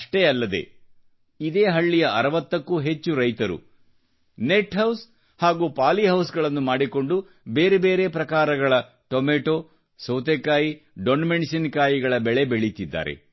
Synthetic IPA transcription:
ɐʂʈe̞ɐlːɐd̪e̞̰ | id̪e̞ːɦɐɭːijɐʔɐɾɐʋɐt̪ːɐkːuːɦe̞t͡ʃːuɾɐjt̪ɐɾṵ | neʈɦɐws | haːɡuːpaːliɦɐwsɡɐɭɐnːumaːɽiko̞ɳɖu | be̞ːɾebe̞ːɾe̞pɾɐkaːɾɐɡɐɭɐ | ʈomeːʈo̞ː | sɐwt̪ekaːji | ɖonmeɳsɐnkaːjiɡɐɭɐbɛɭe̞beɭit̪id̪ːa̰ːɾḛ

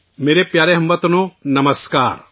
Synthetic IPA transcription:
meːɾepjaːɾeɦɐmbət̪nonɐməskaːɾ

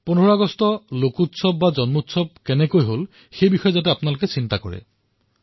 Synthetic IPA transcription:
punɔɹaɡɔstɔlokutsɔb̚bazɔnmutsɔb̚kɛnɛkojɦol | xejbixɔjɛzat̬ɛapʊnalokɛsintakɔɹɛ̰

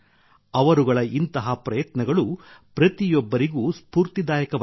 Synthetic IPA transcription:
ɐʋɐɾuɡɐɭɐʔint̪ɐɦɐpɾɐjɐt̪nɐɡɐɭupɾɐt̪ijɔbːɐɾiɡuːspuːɾt̪id̪aːjɐkɐʋ

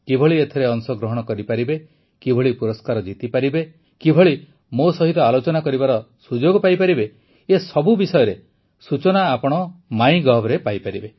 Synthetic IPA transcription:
kibʱɔɭiet̪ʰeɾeɔŋsɔɡɾɔɦɔɽ̃ɔkɔɾipaɾibe | kibʱɔɭipuɾɔskaɾɔd͡ʒit̪ipaɾibe | kibʱɔɭi | mosɔɦit̪ɔalot͡ʃɔnakɔɾibaɾɔ | sud͡ʒoɡɔpajpaɾibe | esɔbubisɔjɔɾe | sut͡ʃɔnaːpɔɽ̃ɔmaĩɡɔɦbɔɾepajpaɾibe

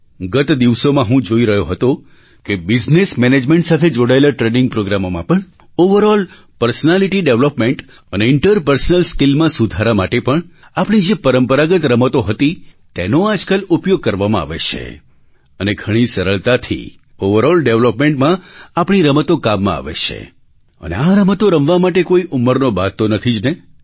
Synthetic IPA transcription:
ɡət̪d̪iʋsomãɦũd͡ʒoiɾəɦjoɦət̪o | kebɪd͡ʒnesmɛned͡ʒmẽɳʈsat̪ʰed͡ʒoɽaelaʈɾenɪ̃ŋɡ̚pɾoɡɾamomã̰pəɳ | oʋəɾɔl | pəɾsnaliʈiɖeʋlopmeɳʈ | əneɪɳʈəɾpəɾsənəlskilmãsud̪ʱaɾamaʈepəɳ | apɳ̃id͡ʒepəɾəmpəɾaɡət̪ɾəmət̪oɦət̪it̪enoad͡ʒkəlupjoɡ̚kəɾʋamãa̰ʋḛt͡ʃʰḛ | əneɡʱəɽ̃isəɾəɭt̪at̪ʰḭ | oʋəɾɔlɖeʋləpmẽɳʈmãapɳ̃iɾəmət̪okamːã̰a̰ʋḛt͡ʃʰḛ | ə̰nḛaɾəmət̪oɾəmʋamaʈ̬ekoiʔumːəɾnobat̪ːonət̪ʰid͡ʒne

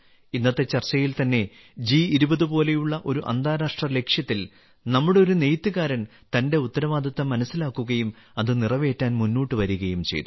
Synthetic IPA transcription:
inːɐt̪ːe̞t͡ɕːɐrt͡ɕɐjilt̪ɐnːe̞ | d͡ʑiːiɾubɐðupo̞ːle̞juɭːɐʔo̞ɾuʔɐ̰nd̪ʱaːɾaːʂʈrɐle̞kʂjɐt̪ːil | nɐmːuɽeo̞ɾune̞jt̪ːɨɣaːɾɐn | t̪ɐnde̞ut̪ːɐɾɐʋaːd̪ʱɐt̪ːɐmːɐnɐsːilaːkːuɣɐjum | ɐðɨnirɐʋe̞ːtːaːnmunːuːʈːɨʋɐɾuɣɐjumt͡ɕe̞̰jt̪u

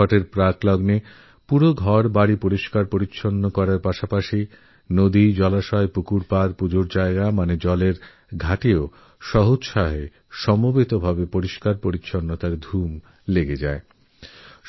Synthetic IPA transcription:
ɔʈeɾpɾaklɔɡne | puɾoɡʱɔɾbaɽipoɾiʃkaɾpoɾitːɕʰonːokɔɾaɾpaʃapaʃi | nod̪id͡ʑɔlaʃɔepukuɾpaɾpud͡ʑoɾd͡ʑaeɡamaned͡ʑɔleɾ | ɡʱaʈio | ʃɔɦot͡ɕʃaɦe | ʃɔmobit̪obʱabepoɾiʃkaɾpoɾitːɕʰonːot̪aɾd̪ʱum | leɡed͡ʑa̰e

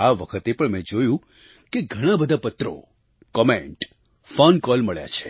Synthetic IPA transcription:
aʋəkʰət̪epəɳmɛ̃d͡ʒojũ | keɡʱəɽ̃ãbəd̪ʱapət̪ɾo̰ | kəmẽɳʈ | fɔnkɔlməɭja̰t͡ʃʰe̥

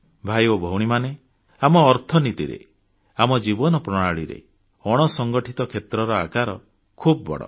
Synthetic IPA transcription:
bʱajobʱɔwɽ̃imane | amɔːɾt̪ʰɔnit̪iɾḛ | amɔd͡ʒibɔnɔpɾɔɽ̃aɭiɾḛ | ɔɽ̃ɔsɔŋɡɔʈʰit̪ɔkʰet̪ɾɔɾɔakaɾɔ | kʰubɔbɔ̰ɽɔ̰

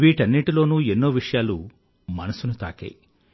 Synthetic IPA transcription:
ʋiːʈɐnːiʈiloːnuːenːoːʋiʂɐjaːlu | mɐnɐsunut̪a̰ːkḛj

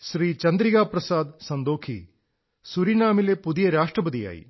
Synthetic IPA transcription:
ʃɾiːt͡ʃɐnd̪ɾiɡaːpɾɐsaːd̪sɐnd̪oːkʰḭ | suɾinaːmilepud̪ijɐɾaːʂʈrɐbɐd̪ija̰ːjḭ

